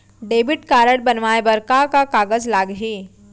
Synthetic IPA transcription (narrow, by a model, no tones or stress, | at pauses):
ɖebiʈkaɾəɽbənʋajbəɾkakakaɡəd͡zlaɡɦi